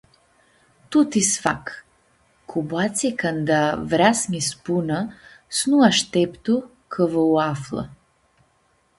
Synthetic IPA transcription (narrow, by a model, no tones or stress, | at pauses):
t̪ut̪isfak | kʰubat̪sikand̪avɾasɲispunasnuaʃt̪ɛpt̪u | kʰəvəuaflˠa̰